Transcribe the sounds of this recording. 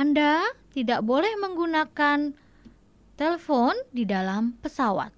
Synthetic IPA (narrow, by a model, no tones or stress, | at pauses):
ʔandat̪idaʔbolɛhməŋɡunakan | t̪elefɔndidalampəsawa̰t̪̚